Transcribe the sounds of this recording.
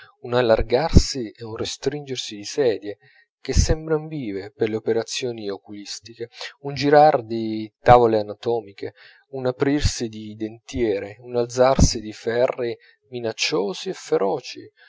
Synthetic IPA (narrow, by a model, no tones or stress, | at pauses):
unalːarɡarsieunrest̪ɾind͡ʒersid̪isɛːd̪je | k̟esːɛmbɾanviːveperleopeɾat̪sːjɔːniokulist̪ikeund͡ʒiɾard̪it̪avoleanat̪ɔːmikʰe | unapɾirsid̪id̪ent̪jɛːɾeunald̪zarsid̪ifɛrːi | minat͡ʃːoːziɛfːeɾʔɔːt͡ʃḭ